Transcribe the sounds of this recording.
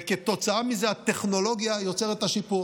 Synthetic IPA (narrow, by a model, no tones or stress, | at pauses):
ket̪o̞t͡saamizeat̪e̞χno̞lo̞ɡjajo̞t͡seʁet̪aʃipu